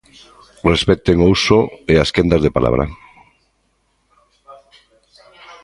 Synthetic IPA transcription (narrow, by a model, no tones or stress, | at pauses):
respɛt̪eŋousoeaskend̪azðepala̰βɾa̰